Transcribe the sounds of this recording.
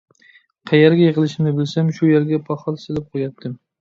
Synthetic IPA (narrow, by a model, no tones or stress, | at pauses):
qʰɑjaɾɡʲajɨʁɨlˠɪʃɪmnɪbɪlsamʃʊjeɾɡʲapʰɒχɒlˠsɪlɪp̚qʰojat̚d̪ɪm